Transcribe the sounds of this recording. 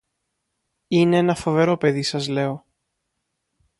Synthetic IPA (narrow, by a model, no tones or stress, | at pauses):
ine̞enɐfo̞ve̞ɾo̞pe̞ðisɐzle̞o̞